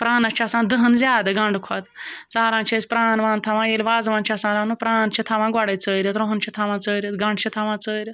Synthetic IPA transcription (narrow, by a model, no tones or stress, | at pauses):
pɾaːnɐt͡ʃʰiɐsãːnd̪əɦənzʲaːd̪ɨɡɐ̃ɳɖkʰɐt̪t͡saːɾãːnt͡ʃʰisʲpɾaːnʋãːnt̪ʰɐʋãːjelʲʋaːzʋãːnt͡ʃʰiɐsãːɾaːnupɾaːnt͡ʃʰit̪ʰɐʋãːɡɐɽɐt͡səːɾʲɐt̪ɾõɦənt͡ʃʰit̪ʰɐʋãːt͡səːɾʲɐt̪ɡɐ̃ɳɖt͡ʃʰit̪ʰaʋãːt͡səːɾʲɐt̪